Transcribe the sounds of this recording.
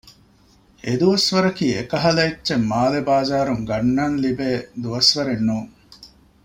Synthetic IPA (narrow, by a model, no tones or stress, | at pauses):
ed̪uʋɐsʋɐɾɐkiːekɐɦɐlɐitːt͡ʃemːaːlebaːzaːɾuŋɡɐnːaːnlibeːd̪uʋɐsʋɐɾenːuːŋ